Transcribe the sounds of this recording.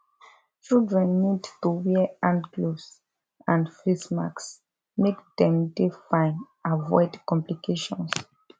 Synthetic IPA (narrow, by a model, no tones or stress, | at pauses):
t͡ʃildɹɛ̃nːidtuwiãndɡlos | ãnfisma̰ks | mekdɛ̃mdefãɪ̃n | avɔ̰ɪdkɔ̃mplikʰeʃɔ̰̃ns